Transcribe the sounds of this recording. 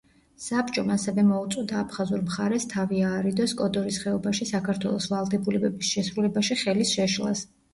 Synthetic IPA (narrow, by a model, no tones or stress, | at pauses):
sapt͡ʃʼɔmasɛvɛmɔut̪sʼɔd̪aːpʰχazuɾmχaɾɛst̪ʰaviaːɾid̪ɔskʼɔd̪ɔɾisχɛɔbaʃisakʰaɾt̪ʰwɛ̰lˠɔsvalˠd̪ɛbulɛbɛbisʃɛsɾulɛbaʃiχɛlisʃɛʃlˠa̰s